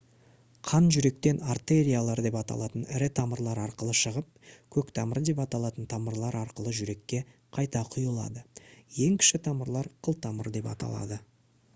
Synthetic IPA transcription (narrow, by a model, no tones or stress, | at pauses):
qʰɑnʒʏɾe̞kt̪e̞nart̪e̞ɾʲijalˠɑɾd̪e̞pɑt̪ɑ̰lˠɑt̪ənɪɾɪt̪ʰɑməɾlˠɑɾɑɾqəlˠəʃəʁəp̚kʲʰɵkt̪ʰɑməɾd̪e̞pɑt̪ɑlˠɑt̪ənt̪ʰɑməɾlˠɑɾɑɾqəlˠəʒʏɾe̞kʲːe̞qʰɑjt̪ɑqʰʊjəlˠɑ̰d̪əje̞ŋkʲʰɪ̥ʃɪt̪ʰɑməɾlˠɑɾqʰəlˠt̪ʰɑməɾd̪e̞pɑ̰t̪ɑ̰lˠɑ̰d̪ə